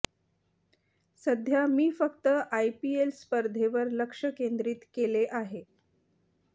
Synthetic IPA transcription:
səd̪ʱjamiːfəkt̪əʔajpielspəɾd̪ʱeʋəɾləkʂəkend̪ɾiːt̪keleʔaɦe

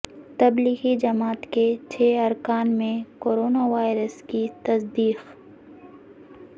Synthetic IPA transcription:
t̪ɐbliːɣid͡ʒɐmaːt̪ket͡ʃʰeːɐɾkaːnmẽkoːɾoːnaʋaːɪɾəskit̪ɐsd̪iːx

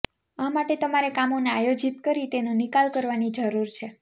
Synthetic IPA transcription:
amaʈet̪əmaɾekamoneajod͡ʒit̪kəɾit̪enũnikalkəɾʋanid͡ʒəɾuɾt͡ʃʰe

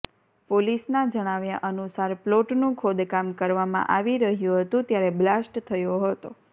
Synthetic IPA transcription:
polisnad͡ʒəɽ̃aʋjaʔənusaɾploʈnũkʰod̪kamkəɾʋamã̰ʔaʋiɾəɦjũɦət̪ũt̪jaɾɛblasʈt̪ʰəjoɦət̪o

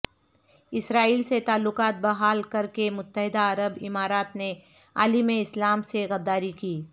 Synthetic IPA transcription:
ɪsɾaːiːlset̪aːlːʊqaːt̪̚bɐɦaːlkɐɾkemʊt̪ːəɦɪd̪aɐɾəbɪmaːɾaːt̪ne | a̰ːlimẽɪslaːmseɣɐd̪ːaːɾikiː

